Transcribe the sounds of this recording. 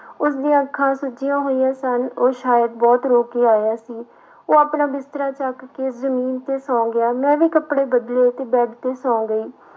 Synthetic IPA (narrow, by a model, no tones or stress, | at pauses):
ʊsd̪iãːəkʰːãːsʊd͡ʒijãːɦoːijãːsənoːʃaːjəd̪̚bɔːt̪ɾoːkeːaːjaːsiː | oːapnaːbɪst̪əɾaːt͡ʃakːezəmiːnt̪eːsɔ̃ːɡɪaːmɛ̃ːʋiːkəpɽeːbəd̪leːt̪eːbɛːʈt̪eːsɔ̃ːɡəiː